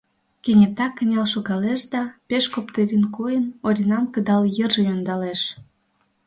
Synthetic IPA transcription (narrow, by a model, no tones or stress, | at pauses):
kenʲet̪ɑkːə̆nʲɑlʃoɣɑleʃd̪ɑpeʃkopt̪eɾʲinkojənoɾʲinɑmkəd̪ɑljərʒejond̪ɑleʃ